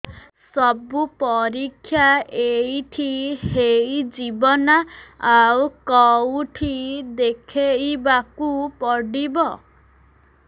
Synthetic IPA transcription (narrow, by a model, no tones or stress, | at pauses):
sɔbupɔɾikʰːjaejʈʰihejd͡ʒibɔnaawkɔwʈʰid̪ekʰejbakupɔɽibɔ